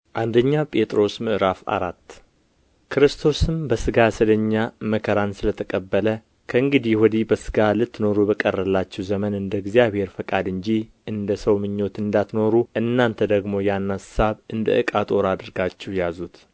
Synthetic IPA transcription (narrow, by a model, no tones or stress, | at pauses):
ʔand̪əɲːapʼe̞t̪ʼɾo̞smɨʔɨɾafa̰ɾat̪ː | kʰɾɨst̪ʰo̞sɨmbəsɨɡasɨləɲːaməkʰəɾansɨlət̪ʰəkʼəbːələ | kʰəɨŋɡɨd̪ihwɔd̪ibəsɨ̥ɡalɨt̪ːno̞ɾubəkʼərːəlːat͡ʃːɛwzəmənɨnd̪əɡzijaβhe̞ɾfəkʼad̪ɨɲd͡ʒiʔɨnd̪əsəwmɨɲːo̞t̪ɨnd̪at̪no̞ɾuʔɨnːant̪ʰəd̪əɡmo̞janːasaβɨnd̪ə̰ʔɨkʼat̪ʼo̞ɾad̪ɨɾɡat͡ʃːɛwjazut̪